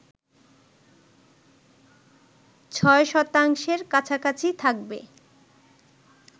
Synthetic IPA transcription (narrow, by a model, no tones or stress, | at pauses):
t͡ɕʰɔeʃɔt̪aŋʃeɾkat͡ɕʰakat͡ɕʰit̪ʰak̚bḛ